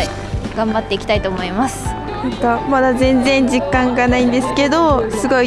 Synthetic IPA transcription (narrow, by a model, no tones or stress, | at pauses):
ɡ̥ãmbat̪ːe̞ikʲt̪ait̪o̞ːmo̞imasɨ̥ | ãkamad̪azẽ̞nd͡zẽ̞ɲ̟d͡ʑikːãŋɡanaĩnd̪e̞sɨ̥ke̞d̪o̞sɨɡo̞i